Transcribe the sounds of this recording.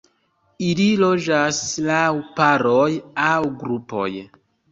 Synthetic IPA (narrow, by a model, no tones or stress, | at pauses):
ililo̞d͡ʒaslawpaɾojawɡɾupo̞̰j